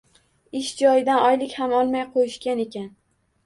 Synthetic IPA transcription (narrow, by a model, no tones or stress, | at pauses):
ɪʃd͡ʒɒjɪd̪anɒjlɪkʲhamɒlˠmajqʰojɪʃkʲane̞kʲan